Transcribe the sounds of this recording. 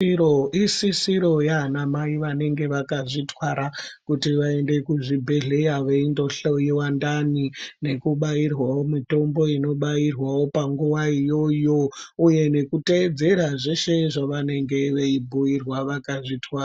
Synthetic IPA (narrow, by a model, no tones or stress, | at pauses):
oisisiɾo̞jaːnamaiʋane̞ŋɡe̞ʋakaʐitwaɾakutiʋaende̞kuʐibʱeɮejaʋeindo̞ɬojiwandanine̞kuɓairwaomito̞mbo̞ino̞ɓairwawo̞paŋɡuʋaijo̞jo̞uje̞ne̞kute̞d͡ze̞ɾaʐeʃe̞ʐaʋane̞ŋɡe̞ʋeibʱuirwaʋakaʐitwaːa